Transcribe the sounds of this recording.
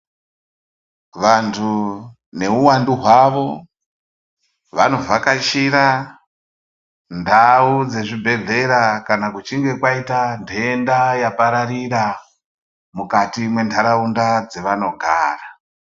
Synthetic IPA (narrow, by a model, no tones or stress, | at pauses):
ʋantʰu | ne̞uwanduɦwaʋo̞ | ʋano̞vakat͡ʃiɾa | ndaud͡ze̞ʐibʱe̞ɮe̞ɾakanakut͡ʃiŋɡe̞kwaitandʱeːndajapaɾaɾiɾa | mukatimwe̞ntʰaɾaundad͡zeʋano̞ɡʱa̰ːra